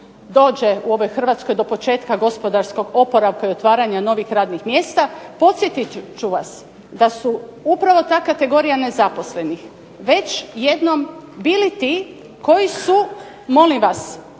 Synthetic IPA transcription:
d̪o̞ːd͡ʑe̞uo̞ʋo̞jxr̩ʋaːt̪sko̞jd̪o̞po̞t͡ʃe̞ːt̪kaɡo̞spo̞d̪aɾsko̞ɡo̞po̞ɾaʋkaio̞t̪ʋaːɾaɲano̞ʋixɾaːd̪nixmje̞ːst̪apo̞t̪sjet̪it͡ʃuʋas | d̪asuupɾaʋo̞t̪aːkat̪e̞ɡo̞ːɾijane̞zapo̞sle̞nix | ʋe̞t͡ɕje̞d̪no̞mbiːlit̪i | ko̞jisu | mo̞liʋas

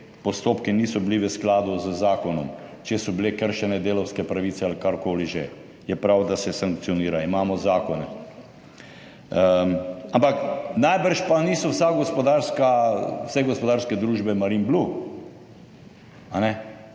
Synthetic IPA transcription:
pɔst̪oːpkiniːsɔbliʋəsklaːd̪uzəzaːkɔnɔ̰mt͡ʃɛsɔblekəɾʃɛnɛd̪eːlɔwskɛpɾaʋiːsɛalikaɾkoːliʒɛ | jɛpɾawd̪asɛsaŋk̚t̪ijɔniːɾaimaːmɔzaːkɔnɛ̰ | ampaknajbəɾʃpanisɔwsaɡɔspɔd̪aːɾskawsɛɡɔspɔd̪aːɾskɛd̪ɾuːʒbɛmaɾimblu | anɛ

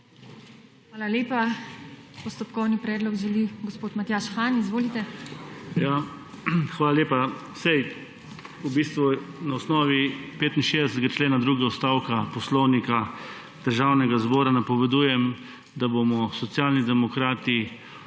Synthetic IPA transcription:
xʋaːlaleːpa | pɔst̪ɔpkɔwnipɾɛːd̪lɔɡʒɛliɡospoːt̪mat̪jaʃxaːnizʋoːlit̪ɛ | ja | xʋaːlaleːpa | sɛj | ubiːst̪ʋunaɔsnɔːʋipeːt̪inʃeːd̪ɛsɛt̪ɛɡat͡ʃleːnad̪ɾuːɡɛɔst̪aːwkapɔslɔwnika | d̪̥əɾʒaːwnɛɡazbɔːɾanapɔʋɛd̪uːjɛm | d̪aboːmɔsɔt̪sjaːlnid̪ɛmɔkɾaːt̪i

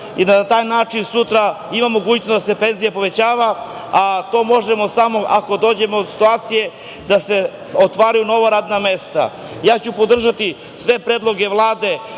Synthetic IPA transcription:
inanat̪aːjnaːt͡ʂinsut̪ɾa | imamoɡujt̪nod̪ase̞pe̞nzijapo̞ʋe̞t͡ɕaːʋa | at̪o̞ːmo̞ʒemo̞samo̞ʔako̞d̪o̞ːd͡ʑe̞moːd̪si̥t̪uaːt̪sije̞ | d̪ase̞ | ot̪ʋaːɾajuno̞ʋaɾaːd̪name̞st̪a̰ | jaːt͡ɕupo̞d̪r̩ʒat̪i | sʋe̞pɾeːd̪lˠo̞ɡe̞ʋlˠaːd̪e̞

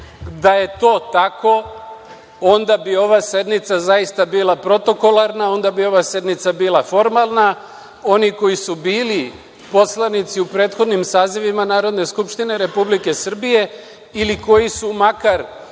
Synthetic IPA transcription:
d̪aje̞t̪o̞ːt̪ako̞ | o̞nd̪abio̞ʋase̞d̪nit̪sazajist̪abiːlˠapɾo̞t̪o̞ko̞laɾnao̞nd̪abio̞ʋase̞d̪nit̪sabiːlˠafo̞ɾmalˠna | o̞niko̞jisubiːli | po̞slanit̪siupɾe̞ːt̪xo̞d̪nimsaːziʋimanaːɾo̞d̪ne̞skupʃt̪ine̞ɾe̞publike̞sr̩bije̞ | iliko̞jisumakaɾ

